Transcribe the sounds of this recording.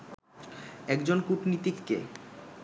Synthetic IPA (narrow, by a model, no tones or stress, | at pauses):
ɛkd͡ʑonkuʈnit̪ikːḛ